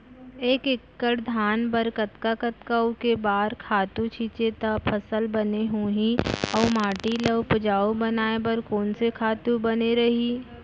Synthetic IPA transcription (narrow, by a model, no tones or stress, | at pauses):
eːkɪkːəɽd̪ʱaːnbəɾkət̪kakət̪kaukebaːɾkʰaːt̪ut͡ʃʰiːt͡ʃet̪apʰəsəlbɐneɦũːɦĩɔːmaːʈiləʋpʊd͡ʒaːobɐnaːebəɾkoːnsekʰaːt̪ubɐneɾɐɦi